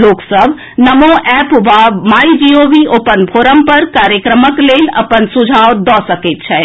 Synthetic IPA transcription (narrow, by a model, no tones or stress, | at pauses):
loːksəbʱ | nəmoʔɛpʋamaːid͡ʒioːʋioːpənbʱoːɾəmpəɾkaːɾjəkɾəməkleːlɐ̰pənsʊd͡ʒʱaːʋd̪ɔːsəket̪̚t͡ʃʰɛ